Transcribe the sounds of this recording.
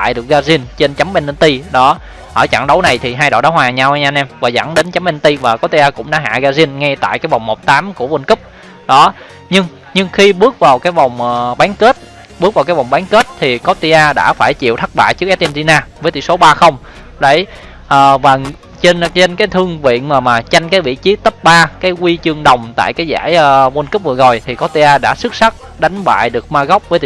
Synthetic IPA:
a̰ː˧˨jɗɨ˨˩k̚ɣaː˧zi˧ənt͡ɕe˧nt͡ɕa˨˦mɓe˧n˧nt̪i˧ɗɔ˨˦ | ʔəː˧˩t͡ɕa̰˧˩ŋɗə˨˦wna˨˩jt̪ʰi˨˩ɦaː˧jɗo̰˧˨ɗaː˨˦hwaː˨ɲaː˧wɲaː˧nʔɛ˧mvaː˨˩za̰˧˩ŋɗe˨˦nt͡ɕa˨˦mɓɛ˧n˧t̪i˧vaː˨˩kɔ˨˦˥t̪i˧ʔaː˧kʊ̰˧˥ŋ͡mɗa̰ː˧˦ɦa̰ː˧˨ɣaː˧zi˧ənŋɛ˧t̪a̰ː˧˨jkaː˨˦jva˨˩wŋ͡mmo˨˩t̚t̪aː˨˦mku˧˩əwi˧nkɨ˦˥p̚ | ɗɔ˨˦ | ɲɨ˧ŋ | ɲɨ˧ŋxi˧ɓɨ˦˥ək̚vaː˨˩wkaː˨˦jva˨˩wŋ͡mʔɓaː˨˦nke˦˥t̚ | ɓɨ˦˥k̚vaː˨˩wkːaː˨˦jva˨˩wŋ͡mɓaː˨˦nke˦˥t̚t̪ʰi˨˩kɔ˦˥t̪i˧ʔaː˧ɗa̰ː˧˥faː˧˩jt͡ɕḭ˧˨wt̪ʰa˦˥t̚ɓa̰ː˧˨jt͡ɕɨ˦ək̚ʔɛ˦˥t̪̚ʔɛ˧mt̪i˧naː˧vəː˨˦jt̪ḭ˧˨so˨˦ɓaː˧xə˧wŋ͡m | ɗə˧˩j | ʔəː˨˩vaː˨˩ | t͡ɕe˧nt͡ɕe˧nkaː˨˦jt̪ʰɨ˧əŋvḭ˧˨ənmaː˨˩maː˨˩t͡ɕa˧jŋ̟kaː˨˦jvḭ˧˨t͡ɕi˨˦t̪ə˦˥p̚ɓaː˧kaː˨˦jkwi˧t͡ɕɨ˧əŋɗə˨˩wŋ͡mt̪a̰ː˧˨jkaː˨˦jza̰ː˧˩jʔvo˧nkp̚vɨ˨˩ɣo˨˩jt̪ʰi˨˩kɔ˦˥t̪i˧ʔaː˧ɗa̰ː˧˥sɨ˦˥k̚sa˦˥k̚ | ɗa˨˦ŋ̟ɓa̰ː˧˨jɗɨ˨˩ək̚maː˧ɣa˦˥wk͡p̚vəː˨˦jt̪i˧˨

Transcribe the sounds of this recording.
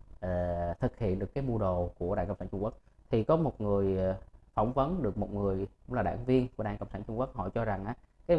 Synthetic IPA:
ʔəː˨˩t̪ʰɨ˨˩k̚hḭ˧˨ənɗɨ˨˩əkːaː˨˦jmu˧ɗo˨˩ku˧˩əɗaː˧˨kə˧˨ŋ͡msaː˧t͡ɕʊ˧ŋ͡mku˦˥k̚t̪ʰi˨˩kɔ˨˦mo˨˩t̚ŋɨ˨˩əjfɔ˧˩wŋ͡mvə˨˦nɗɨ˨˩ək̚mo˨˩t̚ŋɨ˨˩əjkʊ˨˧˥ŋ͡mlaː˨˩ɗa̰ː˧˨ŋvi˧ənku˧˩əɗa̰ː˧˨ŋkə˧wŋ͡msaː˧˩nt͡ɕʊ˧ŋ͡mku˦˥k̚hɔ̰˧˨jt͡ɕɔ˧za˨˩ŋʔaː˨˦ | kaː˨˦

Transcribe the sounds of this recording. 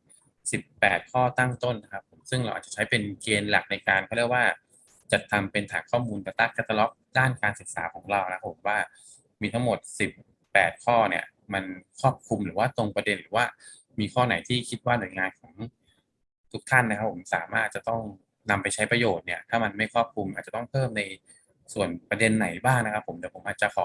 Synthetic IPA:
si˨˩pːɛː˨˩t̪̚kʰɔː˥˩t̪a˥˩ŋt̪o˥˩nːa˦˥kʰa˦˥pʰːo˩˦msɯ˥˩ŋɾa˧wʔaː˨˩t͡ɕa˨˩t͡ɕʰjpe˧nkeː˧nla̰˨˩k̚na˧jkaː˧nkʰɔ˥˩ɾi˥˩ə˩waː˥˩ | t͡ɕa˨˩t̪ʰːa˧mpe˧nt̪ʰaː˨˩˦ŋkʰɔː˥˩muː˧nt̪ɛː˨˩t̪aː˦˥˩t̪̚kʰa˧˩t̪a˧lɔ˦˥p̚daː˥˩nkaː˧nsɯ˨˩k̚sa̰ː˩˦kʰɔː˩˦ŋɾa˧wn˦kʰa˦˥pʰːo˩˦mwaː˥˩ | miː˧t̪ʰa˦˥ŋmo˨˩t̪̚si˨˩pː | ɛː˨˩t̪̚kʰɔː˥˩ni˥˩ɐ | ma˧nkʰɔː˥˩p̚kʰu˧mɾɯː˩˦waː˥˩t̪o˧ŋpɾa˧de˧nɾɯː˩˦waː˥˩ | miː˧kʰɔː˥˩na˩˦jt̪ʰiː˥˩kʰi˦˥t̪̚waː˥˩nu˨˩ə˦jŋaː˧nkʰɔː˩˦ŋ | t̪ʰu˦˥k̚t̪ʰa˥˩nːa˥kʰa˦˥pʰːo˩˦msa̰ː˩˦maː˥˩t̪̚t͡ɕa˨˩t̪ɔ˥˩ŋ | na˧mpa˧jt͡ɕʰa˦˥jpɾa˧joː˨˩t̪̚ni˥˩ɐt̪ʰaː˥˩ma˧nma˥˩jkʰɔː˥˩p̚kʰu˧mʔa˨t̪̚t͡ɕa˨˩t̪ɔ˥˩ŋpʰɤː˥˩mna˧j | su˨˩ənpɾa˧de˧nːa˩˦jbaː˥˩ŋna˦˥kʰa˦˥pʰːo˩˦md̪ɛː˨˩pʰo˩˦mʔaː˨˩t̪̚t͡ɕa˨˩kʰɔː˩˦

